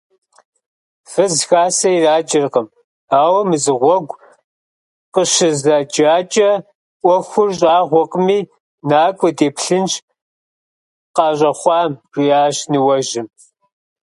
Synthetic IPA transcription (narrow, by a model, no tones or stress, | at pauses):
fɨzxaːsɐiraːt͡ʃʼɪrqəm | aːwɐmɨzɨʁʷɔɡʷ | qəʃɨzɐd͡ʒaːt͡ʃʼɐ | ʔʷɔxʷʊrɕʼaːʁʷɔqʼəmiː | naːkʷʼɔdeːpɬɨnt͡ʃ | qɑːɕʼɐχʷɑːmʒʷʼiaːɕnɨwɐʒɪm